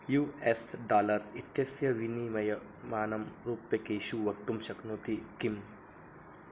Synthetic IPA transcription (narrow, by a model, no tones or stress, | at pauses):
juːesɖaːlɐɾit̪jɐsjɐʋinimɐjɐ | maːnɐmɾuːpjɐkeːʃuʋɐkt̪umʃɐknoːt̪ikim